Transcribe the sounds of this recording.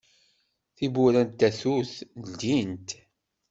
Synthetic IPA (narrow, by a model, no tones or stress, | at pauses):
θibuɾænt̪ːæθuθld̪int̪